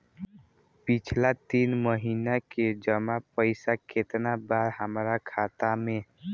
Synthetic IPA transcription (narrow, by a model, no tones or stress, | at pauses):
pit͡ʃʰlat̪inməɦinaked͡ʒəmapəɪsaket̪nabaɾɦəmɾakʰat̪ame